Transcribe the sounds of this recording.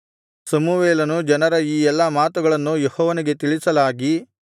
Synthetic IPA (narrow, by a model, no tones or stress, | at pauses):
sɐmuʋeːlɐnud͡ʒɐnɐɾɐiːɛlːɐmaːt̪uɡɐɭɐnːujehɔːʋɐniɡe̞t̪iɭisɐlaːɡi